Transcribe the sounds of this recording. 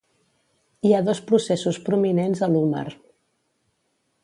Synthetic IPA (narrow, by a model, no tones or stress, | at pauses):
iaðɔspɾusesuspɾuminenzəluma̰ɾ